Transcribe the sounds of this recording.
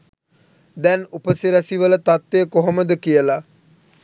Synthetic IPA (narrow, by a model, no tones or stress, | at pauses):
d̪ɛnupəsiɾæsiʋələt̪at̪ːeːkoɦoməd̪əkijəla